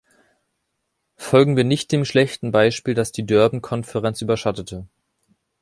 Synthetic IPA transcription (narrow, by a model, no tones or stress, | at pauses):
fɔlɡŋ̩viːɐnɪçt̚d̥eːmʃlɛçtn̩baɪʃpiːldasd̥iːdœɐbn̩kʰɔnfɛʁɛnt͡sʔyːbɐʃatətʰə